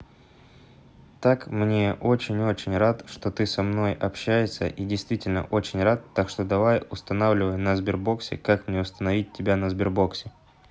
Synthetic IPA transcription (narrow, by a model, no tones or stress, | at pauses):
t̪akmnʲe̞ʔo̞t͡ɕɪnʲo̞t͡ɕɪnʲrat̪ʂt̪o̞t̪ɨsɐmno̞jɐpɕːæjɪsʲə̰ʔidʲɪjst̪vʲitʲɪlʲnə̰ʔo̞t͡ɕɪnʲrat̪ːakʂt̪o̞d̪ɐvajʊst̪ɐnavlʲɪvəjnəzbʲɪrbo̞ksʲɪ̰kakmnʲeʊst̪ənɐvʲit̚ʲtʲːɪbʲanəzbʲɪrbo̞ksʲɪ